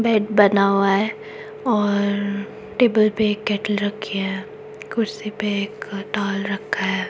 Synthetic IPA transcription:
bɛːʈbɐnaːaɦɛ | ɔːɾ | ʈeːbəlpeeːkːɛːʈəlɾɐkʰːiɦɛ̃ː | kʰʊɾsipeeːkʈaːlɾɐkʰːaɦɛː

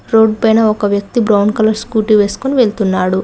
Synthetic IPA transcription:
ɾo̞ːɖ̚pɐjnɐɔkɐʋjɐk̚t̪ibɾɐwnkɐlɐɾskuːʈiʋe̞ːsu̥koniʋeɭt̪unːaːɽu

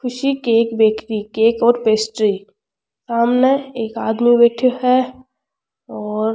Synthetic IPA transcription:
kʰʊʃikeːkbeːkɾikeːkɔːɾpeːsʈɾi | saːmneeːkaːd̪mibeʈʰɦɛ | ɔːɾ

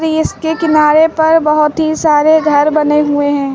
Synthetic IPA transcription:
ɾɪskekɪnaːɾepɐɾbɐɦʊt̪ɦisaːɾeɡʱɐɾbɐneɦʊueɦɛ̃ː

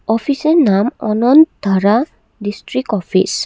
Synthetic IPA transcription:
ɔpʰisenamɔnɔnd̪̥ʱaɾa | distɾikɔpʰḭs

